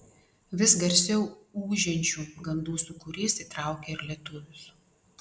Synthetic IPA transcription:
ʋʲɪsɡɐɾʲsʲɛʊuːʒʲɛnʲt͡ʃʲuːɡɐnd̪uːsʊkʊɾʲiːsit̪ɾɑˑʊkʲeɪɾlʲiɛt̪ʊʋʲʊs

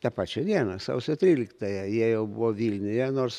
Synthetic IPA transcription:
t̪ɑpɑːt͡ʃʲɛd̪ʲiɛnɐsɑ̰ʊsʲɛt̪ʲɾʲiːlʲɪkt̪ɐjɛjiɛjɛʊbʊʋoːʋʲiːlʲnʲʊjɛnoːrs

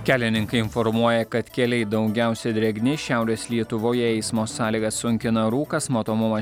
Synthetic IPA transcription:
kʲæːlʲɪnʲɪŋkɐɪɪnfɔɾmuɔjɛkɐt̪kʲɛlʲɛɪd̪ɒʊɡʲæˑʊsʲɛd̪ʲɾʲɛɡʲnʲeʃʲæˑʊɾʲeːslʲiɛt̪ʊʋoːjɛɛɪsmoːsɑːlʲiːɡɐsʊŋʲkʲɪnɐɾuːkɐsmoːt̪oːmʊmɐ

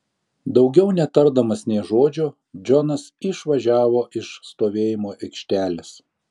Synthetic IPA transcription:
d̪ɒʊɡʲɛʊnʲɛt̪ɐɾd̪ɐmɐsnʲɛɪʒoːd͡ʒʲoː | d͡ʒʲɔnɐsɪʃʋɐʒʲæːʋoːʔɪʃst̪oːʋʲeːjɪmoːʔɛɪkʃʲt̪ʲæːlʲɪs

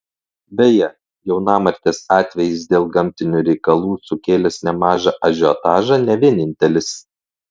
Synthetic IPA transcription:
bʲɛjɛ | jɛʊnɑːmɐɾʲt̪ʲeːsɑːt̪ʲʋʲɛjɪs̬d̪ʲeːlˠɡɐmʲt̪ʲɪnʲuːɾʲɛɪkɐlˠuːsʊkʲeːlʲɛsnʲɛmɑːʒɐʔɐʒʲoːt̪ɑːʒɐnʲɛʋʲiɛnʲɪnʲt̪ʲɛlʲɪs

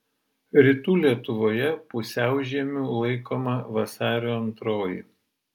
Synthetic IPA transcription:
ɾʲɪt̪uːlʲiɛt̪ʊʋoːjɛpʊsʲæˑʊʒʲiɛmʲuːlˠɐɪkoːmɐʋɐsɑːɾʲoːɐnt̪ɾoːjḭːˑ

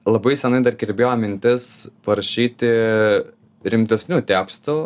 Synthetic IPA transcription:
lˠɐbɐɪsʲɛnɐɪd̪ɐrɡʲɪɾʲbʲeːjoːmʲɪnʲt̪ʲɪspɐɾɐʃʲiːt̪ʲɪ | ɾʲɪmʲt̪ʲɛsʲnʲuːt̪ʲæːkst̪ʊ

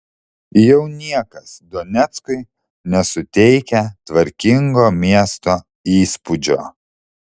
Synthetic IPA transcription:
jɛʊnʲiɛkɐsd̪ɔnʲɛt̪skʊɪ | nʲɛsʊt̪ʲɛɪkʲɛt̪ʋɐɾʲkʲɪŋɡoːmʲiɛst̪oː | iːspʊd͡ʒʲo̰ː

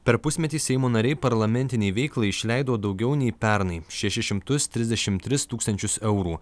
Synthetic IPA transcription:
pʲɛɾpʊsʲmʲɛt̪ʲiːsʲɛɪmoːnɐɾʲɛɪpɐɾlˠɐmʲɛnʲt̪ʲɪnʲɛɪʋʲɛɪklˠɐɪɪʃʲlʲæɪd̪oːd̪ɒʊɡʲɛʊnʲɛɪpʲæˑɾnɐɪʃʲɛʃʲɪʃʲɪmt̪ʊst̪ʲɾʲɪzʲd̪ʲɛʃʲɪmt̪ʲɾʲɪst̪uːkst̪ɐnʲt͡ʃʲʊsɛʊɾuː

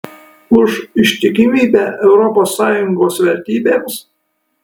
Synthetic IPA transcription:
ʊʃɪʃʲt̪ʲɪkʲɪmʲiːbʲɛʔɛʊɾɔpoːsːɑːjʊŋɡoːsʋʲɛɾʲt̪ʲiːbʲeːms

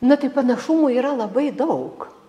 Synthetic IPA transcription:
nʊt̪ɐɪpɐnɐʃʊmuːiːɾɐlˠɐbɐɪd̪ɐʊk

